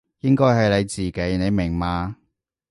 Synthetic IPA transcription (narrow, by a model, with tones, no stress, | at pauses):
jɪ˥ŋkɔː˥jɦɐ˨jle˨˧jt͡siː˨ke˨˥jne˨˧jmɪ˨˩ŋmaː˨˧